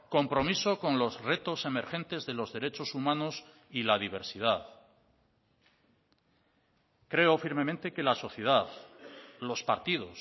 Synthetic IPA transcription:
ko̞mpɾo̞miso̞ko̞nlo̞zre̞t̪o̞se̞me̞ɾxẽ̞nt̪e̞zðe̞lo̞zðe̞ɾe̞t͡ʃo̞sumãnos | ilað̞iβ̞e̞ɾsið̞að | kɾe̞ofiɾme̞mẽnt̪e̞ke̞laso̞θjeð̞aðlo̞spaɾt̪ið̞o̞s

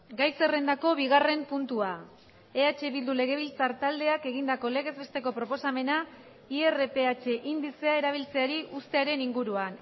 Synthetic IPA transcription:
ɡajse̞re̞nd̪ako̞βiɣ̞are̞mpunt̪ua | e̞at͡ʃe̞βild̪ule̞ɣ̞e̞β̞ilt͡saɾt̪ald̪e̞ake̞ɣind̪ako̞le̞ɣ̞e̞zβe̞st̪e̞ko̞pɾo̞po̞same̞na | iere̞pe̞at͡ʃe̞ʔind̪ise̞ae̞ɾaβ̞ilt͡se̞aɾiʔust̪e̞aɾe̞niŋɡuɾuan

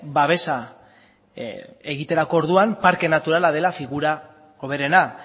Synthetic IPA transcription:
baβ̞e̞sa | e̞ɣit̪e̞ɾako̞ːɾðuampaɾke̞nat̪uɾalað̞e̞lafiɣuɾa | o̞β̞e̞ɾe̞na

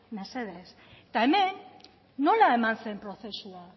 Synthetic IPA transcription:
naseðes | t̪amenː | olaemãnsempɾoθesua

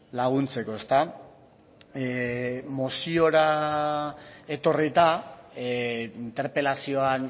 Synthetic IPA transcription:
laɣ̞unt͡se̞ko̞e̞st̪a | mosio̞ɾa | e̞t̪o̞rit̪a | int̪e̞ɾpe̞lasio̞an

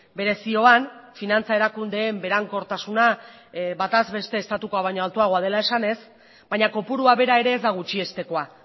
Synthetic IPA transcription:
be̞ɾe̞sio̞anfinant͡sae̞ɾakund̪e̞ːmbe̞ɾaŋko̞ɾt̪asuna | bat̪azβe̞st̪e̞ːst̪at̪uko̞aβ̞ajɲo̞alt̪uaɣ̞o̞að̞e̞lae̞sane̞s | bajɲako̞puɾuaβe̞ɾae̞ɾe̞ːzd̪aɣ̞ut͡ʃie̞st̪e̞ko̞a

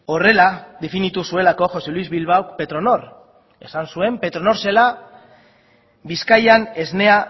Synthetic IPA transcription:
o̞re̞laðe̞finit̪usue̞lako̞xo̞se̞lwizβilβ̞awkpe̞t̪ɾo̞no̞ɾ | e̞̰sansue̞mpe̞t̪ɾono̞ɾse̞la | biskajane̞zne̞a

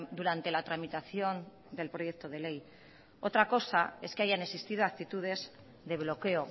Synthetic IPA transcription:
d̪uɾant̪e̞lat̪ɾamit̪aθjo̞n | d̪e̞lpɾo̞je̞k̚t̪o̞ð̞e̞le̞j | o̞t̪ɾako̞sae̞ske̞aʝaneksist̪ið̞oak̚t̪it̪uð̞e̞z | ðe̞β̞lo̞ke̞o̞

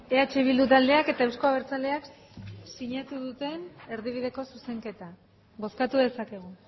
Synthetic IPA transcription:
e̞at͡ʃeiβ̞ild̪ut̪ald̪e̞ake̞t̪aewsko̞aβeɾt͡sald̪e̞ak | siɲat̪uðut̪e̞ne̞ɾðiβ̞iðe̞ko̞suse̞ŋke̞t̪a | ɣo̞skat̪uðe̞sake̞ɣ̞u

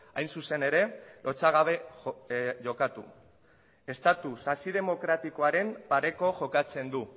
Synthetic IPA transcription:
ajnsuse̞ne̞ɾe̞lʔo̞t͡saɣaβ̞e̞ | ʝo̞kat̪ṵ | e̞st̪at̪usasið̞e̞mo̞kɾat̪iko̞aɾe̞mpaɾe̞ko̞ʝo̞kat͡se̞nd̪u

